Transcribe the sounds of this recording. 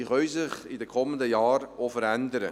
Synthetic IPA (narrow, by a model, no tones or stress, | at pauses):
iχœʏsɪχɪdəkʰɔməndəjɑːɾofəɾændəɾə